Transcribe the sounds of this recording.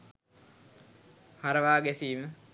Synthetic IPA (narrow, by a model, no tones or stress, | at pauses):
haɾəʋaːɡesiːmə